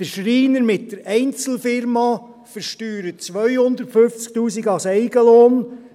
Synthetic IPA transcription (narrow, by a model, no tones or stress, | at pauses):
d̥əɾʃɾiːnəɾmɪtdəɾɛɪnt͡sl̩fɪɾmɑ | fəɾʃtyːɾət͡sʋœjhʊnd̪əɾtføft͡sk̚t̪uːsiɡɑsɛɪɡəloːn